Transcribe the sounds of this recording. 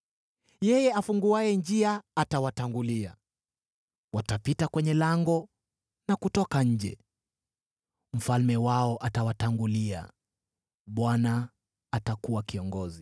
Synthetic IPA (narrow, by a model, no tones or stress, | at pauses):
jɛjɛafuŋɡuajɛnd͡ʒiaːtawataŋɡulia | watapitakwɛɲɛlaŋɡɔ | nakutɔkaɲ̩d͡ʒɛ̰ | m̩falmɛwaɔʔatawataŋɡulia̰ | ɓwana | atakuwakiɔŋɡɔzi